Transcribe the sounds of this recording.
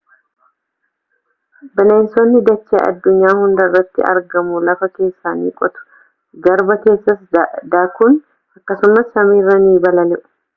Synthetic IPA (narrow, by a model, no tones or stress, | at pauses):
bɛneːnsonːɪd̪ɐt͡ʃːeːʔɐ̰d̪ːʊɲːaːhʊnd̪ɐrːɐt̪ːɪɐ̰ɾɡɐmulɐfɐke̞ːsːaːnḭːkʼɔt̪ʊ̥ | ɡɐɾbɐke̞ːsːɐsd̪aːkʊn | ɐkːɐsʊmɐsːɐmiːrːɐniːbɐlɐnɛʔʊ̥